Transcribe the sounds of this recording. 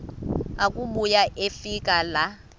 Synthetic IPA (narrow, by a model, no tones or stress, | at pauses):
akʼumujaʔefikʼala